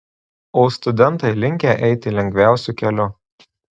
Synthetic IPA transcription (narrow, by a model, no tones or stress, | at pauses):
oːst̪ʊd̪ʲɛnˑt̪ɐɪlʲɪŋʲkʲeʔɛɪt̪ʲɪlʲɛŋʲɡʲʋʲæˑʊsʲukʲɛlʲʊ